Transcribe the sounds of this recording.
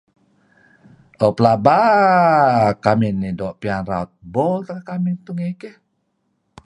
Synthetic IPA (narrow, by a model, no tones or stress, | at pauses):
ʔopəlaba | kaminːidɔʔpianraut̪̚bɔt̪akakamint̪uŋekeh